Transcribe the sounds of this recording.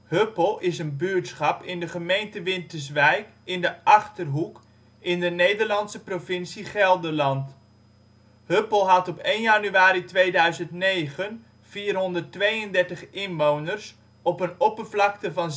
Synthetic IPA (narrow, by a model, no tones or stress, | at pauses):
høpəlˠɪsənbyːɹtsχɑpɪndəχəmejntəʋɪntəɹs̬ʋɛjkɪndəʔɑχtərɦuk | ɪndənejdəɹlɑnsəprovɪnsiχɛlˠdəlɑnt | høpəlˠɦɑtɔpejnjanyaːɾitʋejdœɥzəntnejχən | v̥iːrɦɔndəɹtʋejəndɛɹtəχɪnʋownəɹs | ɔpənɔpəvlɑktəvɑn